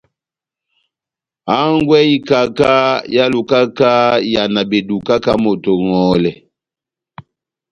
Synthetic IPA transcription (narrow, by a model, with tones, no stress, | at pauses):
a˦ŋɡwɛ˦i˦ka˦ka˦ja˦lu˨ka˦ka˦ja˨na˨be˨du˨ka˦ka˦mo˨to˨ŋɔ˨˦lɛ˨